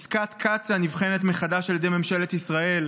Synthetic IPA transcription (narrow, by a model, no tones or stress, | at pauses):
skat̪kʰat͡sanivχe̞net̪meχad̪aʃaljd̪ejmemʃe̞let̪isʁae̞l